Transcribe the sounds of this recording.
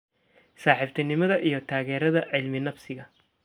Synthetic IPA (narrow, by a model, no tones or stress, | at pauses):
saːħɪbt̪ʰɐnɪmɐðɐʔijɞt̪ʰaːɣɛːɾɐðɐʕɪlmɪnɐfsɪɣɐ